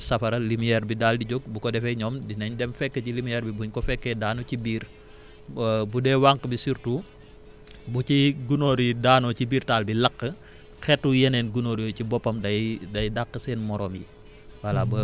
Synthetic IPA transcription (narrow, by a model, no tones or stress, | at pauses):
sɐfɐɾɐlimijɛːɾbidaːldiɟɔɡ̚bukɔdɛfɛɲɔːmdinɐɲdɛmfɛkːəcilimijɛɾbibuɲkɔfɛkːɛdaːnɔcibiːr | budɛwaŋkəbisiɾtu | buciɡunoːɾidaːnɔcibiːrtaːlbilɐkːə | xɛtːujɛnɛːnɡunoːɾijɔcibɔpːɐmdɐdɐjdaqːəsɛːnmɔɾʔɔːmjḭ | wɐlabɐ